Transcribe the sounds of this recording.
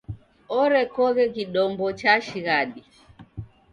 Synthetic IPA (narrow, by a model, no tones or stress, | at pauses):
ɔɾɛkɔɣɛkiɗɔmbɔt͡ʃaʃiɣaɗi